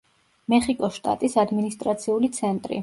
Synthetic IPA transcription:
mɛχikʼɔsʃt̪ʼa̰t̪ʼisad̪minist̪ʼɾat̪sʰiulit̪sʰɛnt̪ʼɾḭ

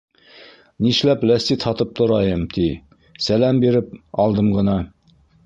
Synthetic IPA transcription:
niʃlæplæst̪it̪hɑt̪ɤp̚t̪ʰŏɾɑjɤmt̪ʰi | sælæmbiɾɘp̚ɑlˠd̪ɤmʁɤ̆nɑ

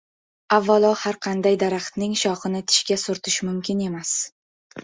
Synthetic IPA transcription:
avːalˠɒhaɾqʰɑnd̪ajd̪aɾaχt̪nɪŋʃɒχɨnɪt̪ʰɪ̥ʃkʲasʊɾt̪ʰɪʃmʊmkʲʰɪne̞mas

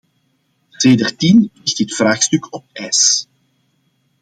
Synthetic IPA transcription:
seːdərtinɪxtɦətfraːxstʏkʰɔp̚ɛːs

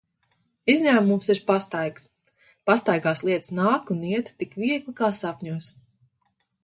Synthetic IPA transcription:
izʲɲʲaːmumsiɾpast̪ajɡs | past̪ajɡaːslˠiɛt̪snaːkuniɛt̪t̪ikviɛɡlˠɨkaːsapʲɲʲuɔs

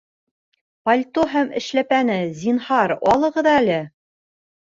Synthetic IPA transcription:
pɐlʲt̪oɦæmɘ̆ʃlæpænɘzʲinhɑɾɑlˠɤ̆ʁɤ̆ðɑælɘ

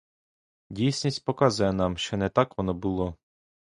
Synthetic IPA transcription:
dʲijsʲnʲisʲtʲpɔkɑzʊjɛnɑmʃt͡ʃɔnɛt̪ɑkʋɔnɔbʊlˠɔ

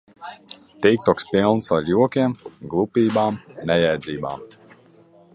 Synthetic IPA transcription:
t̪ijk̚t̪ɔkspʲilˠnsaɾjuɔkʲiɛmɡlˠupʲiːbaːmnɛjɛjd̪zʲiːba̰ːm

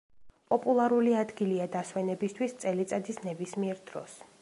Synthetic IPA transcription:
pʼɔpʼulˠaɾuliad̪ɡiliad̪aswɛnɛbist̪ʰwist̪sʼɛlit̪sʼad̪isnɛbismiɛɾd̪ɾɔ̰s

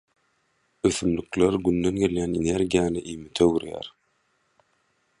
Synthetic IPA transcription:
øfymlykleɾɡynd̪ønɡeljæneneɾɡʲijanɪʔimɪt̪ʰewyɾjæ̰ɾ

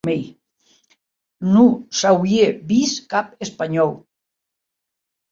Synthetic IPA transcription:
mej | nusawjeβiskapespaɲɔw

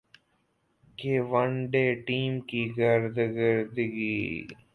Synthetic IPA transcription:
keʋəɳɖeːʈiːmkiɡəɾd̪ɡəɾd̪ɡiː

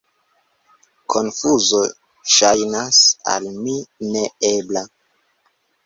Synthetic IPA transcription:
kʰo̞nfuzo | ʃajnasa̰lmineebla

